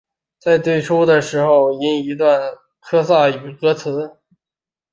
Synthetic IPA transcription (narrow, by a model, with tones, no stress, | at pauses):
t͡sa˥˧ɪt̪we˥˩ɪʈ͡ʂʰu˥d̪ə˨ʂɻ̩˧˥xo˧ʊi˥ni˧˥t̪̬wa˥˩n | kʰɤ˥sa˥˩y˨˩kɤ˥t͡sʰɹ̩˧˥